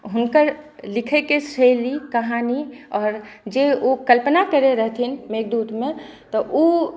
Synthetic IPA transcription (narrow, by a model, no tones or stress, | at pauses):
ɦʊnkəɾlɪkʰekeselikəɦaːniɔːɾd͡ʒeokəlpnakəɾeɾəɦt̪ʰinmeːɡd̪uːt̪ʰmẽt̪ɔʔo